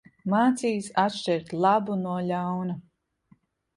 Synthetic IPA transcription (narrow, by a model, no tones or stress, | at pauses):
maːt̪siːsat̪ʃt͡ʃɛɾt̪lˠabunuɔʎawnu